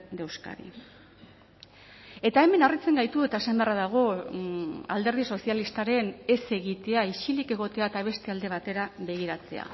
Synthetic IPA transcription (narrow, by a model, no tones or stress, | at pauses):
d̪ewska̰ɾḭ | e̞t̪ae̞me̞narit͡se̞ŋɡajt̪ue̞t̪aesambearaðaɣ̞o̞ | a̰ld̪e̞ɾð̞iso̞sialist̪aɾe̞ne̞se̞ɣit̪e̞ait͡ʃilike̞ɣo̞t̪e̞at̪aβ̞e̞st̪e̞ald̪e̞β̞at̪e̞ɾaβe̞ɣ̞iɾat͡se̞̰a̰